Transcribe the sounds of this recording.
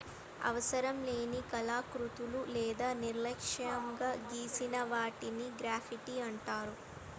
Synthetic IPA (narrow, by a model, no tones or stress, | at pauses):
ɐ̰ʋɐsɐɾɐmle̞ːnikɐlaːkɾut̪ululɛːd̪aːniɾlɐkʂɐŋɡaːɡiːsinɐʋaːʈiniɡɾaːpʰiʈiɐɳʈaːɾu